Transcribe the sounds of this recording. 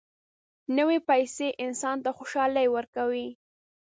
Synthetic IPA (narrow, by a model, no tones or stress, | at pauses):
nəwepajseʔɪnsɑnt̪axoʃɑləjwəɾkawi